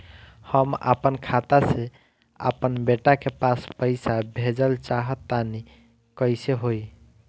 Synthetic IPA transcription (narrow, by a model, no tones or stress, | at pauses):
həmə̰pənkʰat̪ase | ə̰pənbeʈakepaspəɪsabʱed͡ʒəlt͡ʃaɦət̪ːani | kəjseɦoj